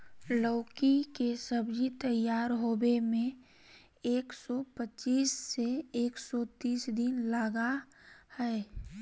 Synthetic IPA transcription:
lɔːkikesəbd͡ʒit̪əjaːɾɦoːbemẽ | eːksɔpət͡ʃiːsːeeːksɔt̪iːsd̪ɪnlaːɡa | hɛː

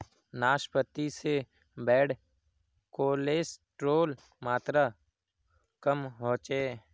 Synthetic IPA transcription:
naːʃpət̪ːise | bɛːɽ | koːleːsʈɾoːl | maːt̪ɾa | kəmɦoːt͡ʃeː

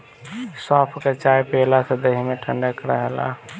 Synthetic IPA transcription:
saːpʰket͡ʃajpelased̪əɦimeʈʰəɳɖəkɾəɦəla̰

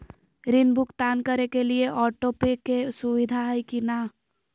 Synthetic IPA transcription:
ɾɪnbʱʊkt̪aːnkəɾekelieʔɔːʈopɪkːesʊʋɪd̪ʱaɦikinaː

